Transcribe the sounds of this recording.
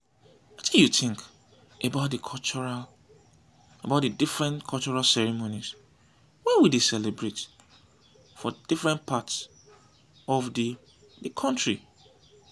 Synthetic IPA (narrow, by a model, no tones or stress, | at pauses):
watijutɪ̃ŋk | ʔebaʊt̚dɨkʰɔt͡ʃɔɹa | ebaʊt̚dɨdifɹɛ̃nkʰɔlt͡ʃɔɹalsɛɹimonis | wɛwidesɛlebɹet | fɔd̥ifɹɛ̃npʰats | ɔvdi | dɨkʰɔ̃ntɹi